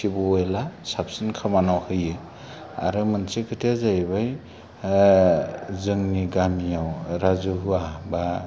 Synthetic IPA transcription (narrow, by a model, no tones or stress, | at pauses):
ibɔelasap̚sɯnkʰamanawhɯjɯ | a̰ɾɯmɯnsekʰɯtʰijazajbaj | zɯŋniɡamijawɾazuɦuaba